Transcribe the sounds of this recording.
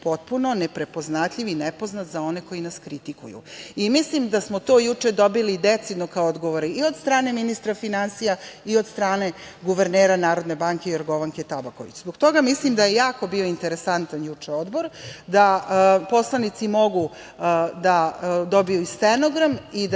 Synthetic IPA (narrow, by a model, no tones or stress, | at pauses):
po̞t̪̚puno̞nepɾe̞po̞znat̪ʎʲiʋinepo̞znat̪zao̞ne̞ko̞jinaskɾit̪ikṵjṵimislimd̪asmot̪oːjut͡ʂed̪o̞bilid̪et̪sid̪nokaood̪ɡoʋoɾiio̞d̪st̪ɾaːne̞minist̪ɾafinansijaio̞d̪st̪ɾaːne̞ | ɡuʋeɾneːɾanaːɾo̞d̪ne̞baŋkejoɾɡo̞ʋaŋket̪abakoʋḭt͡ɕzbokt̪o̞ɡamislimd̪ajejaːko̞bio̞int̪eɾesant̪anjut͡ʂeo̞d̪bo̞ɾd̪apo̞slˠanit̪simo̞ɡu | d̪ad̪o̞bijuist̪enoɡɾamid̪